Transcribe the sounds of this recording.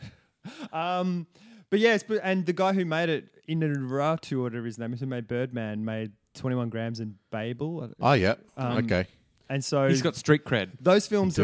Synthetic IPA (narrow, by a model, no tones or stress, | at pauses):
ʔʌ̃mb̥ʌt̚jæsb̥ʌɨ̃nðɨɡaɪɦʉmeɪɾɪɾ | ɪ̃nɨɹatʰʉʌɾɨvə˞ɨznẽɪ̃məzʉmeɪd̚bɜ˞d̚mæ̃nmeɪd̚tʰw̥ɛ̃ɾ̃iwʌ̃nɡɹæ̃mzɨ̃nb̥eɪbl̩ˠʔoʊjæ̰ʌ̃o̰ʊkʰeɪ | ɨ̃nsoʊzɡɑtstɹ̥it̚kʰɹ̥æd̥̚ðoʊz̥fɪlˠmz